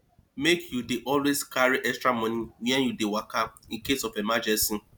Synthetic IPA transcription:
mekjudeʔɔlweskaɾiʔɛkstɹamɔniwɛ̃njudewakaĩnkesɔfemad͡ʒɛsi

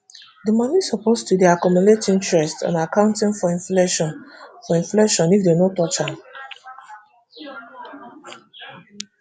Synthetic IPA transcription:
dəmanisɔpostudiakɔmɔletĩntɹɛstã̰nakãʊ̃ntĩnfɔĩfleʃnfɔĩnfleʃɔ̃nifdenotɔt͡ʃãn

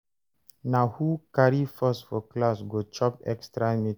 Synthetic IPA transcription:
nahukaɾifəstfɔklasɡot͡ʃɔpɛ̰kstɾami

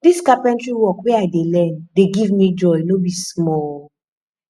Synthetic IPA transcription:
diskapɹɛ̃ntɹiwɔkweaɪdelɛ̃ndeɡivmid͡ʒɔjnobismɔl

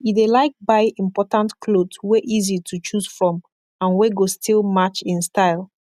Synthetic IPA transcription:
idelaɪk̚baɪĩmpɔtãntkʰlodsweʔizitʰut͡ʃuz̥fɹɔ̃m | ãnwɛɡostʰilˠmat͡ʃĩnstaɪlˠ

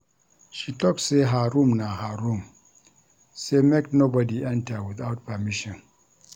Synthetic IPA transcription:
ʃitɔkseɦaɾumnaɦaɾum | semeknobɔdiɛ̃ntawiθawt̚pamiʃɔ̃n

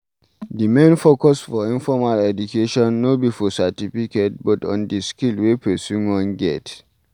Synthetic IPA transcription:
dimẽnfokɔsfɔĩnfɔmalɛdukʰeʃɔ̃nːobifɔsatifiket̚bɔtɔ̰̃ndiskilwepʰɛsunwɔ̃nɡɛt

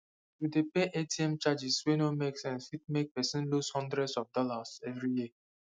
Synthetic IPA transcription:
tudepeʔetiɛ̃mt͡ʃad͡ʒiswenomeksɛ̃nsit̚mek̚pɛsĩnlushɔ̃ndɹɛdsɔfdɔlasɛvɹiji

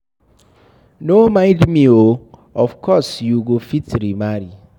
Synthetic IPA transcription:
nomãɪ̃dmĩoɔfkʰɔsjuɡofitɾimaɾi

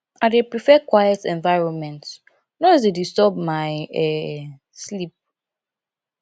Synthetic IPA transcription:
aɪdepɹifɛkwajɛtɛ̃ɱvaɪɹɔ̃nmɛ̃nt | nɔzdedistɔb̚majɛ | slip̚

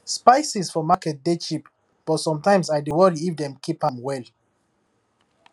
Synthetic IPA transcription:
spaɪsisfɔmakɛt̚det͡ʃip | b̥ɔtsɔ̃mtãɪ̃msaɪdəwɔdifdɛ̃mkʰipãmwɛl

